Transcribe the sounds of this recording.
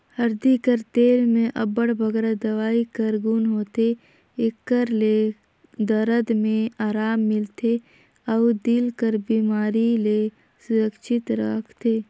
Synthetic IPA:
həɾd̪ikəɾt̪eːɾmẽʔɐbəɽbʱəɡɾad̪ɐʋaːikəɾɡunɦoːt̪e | ekːəɾle | d̪əɾəd̪mẽaːɾaːmːɪlt̪ʰe | əʊd̪ɪlkəɾbiːmaːɾile | sʊɾəkʃɪt̪ɾa̰kʰt̪eː

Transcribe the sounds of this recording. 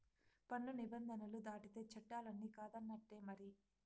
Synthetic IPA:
pɐɳːunibɐnd̪ʱɐnɐlud̪aːʈit̪e̞ːt͡ʃɛʈːaːlɐnːiːkaːd̪ɐnːɐʈːeːmɐɾi

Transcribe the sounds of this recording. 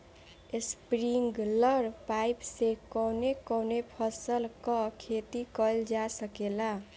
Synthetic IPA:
espɾiŋɡlʌɾpajpsekʌwnekʌwnepʰʌsəlkʌkʰet̪ikʌld͡ʒasʌkela

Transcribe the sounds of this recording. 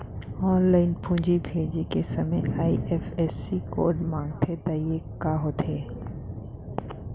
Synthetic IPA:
ɔːnlaːɪnpũːd͡ʒibʱeːd͡ʒikesɐməjaːiʔɛːfɛːsːiko̰ːɾɖmãːŋɡt̪ʰed̪aiekaɦoːt̪ʰeː

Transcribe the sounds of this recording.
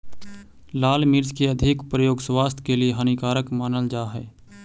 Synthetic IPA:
laːlmɪɾd͡ʒkeəd̪ʱɪkpɾəjoːɡswaːst̪ʰkelieɦənikaːɾəkmaːnəld͡ʒaːɦɛː

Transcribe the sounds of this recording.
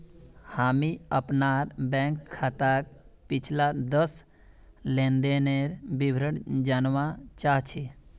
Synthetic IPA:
haːmiəpnaːɾbɛ̃ːŋkʰːat̪ak | pɪt͡ʃʰlad̪əs | lẽnd̪eneɾbibʱɾəɽd͡ʒanʋat͡ʃaːɦt͡ʃʰe

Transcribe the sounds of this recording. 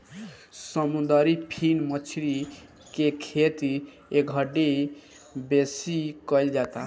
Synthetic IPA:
səmud̪aɾipʰinmət͡ʃʰɾi | kekʰet̪i | eɡʱəɖe | besikəjld͡ʒat̪a

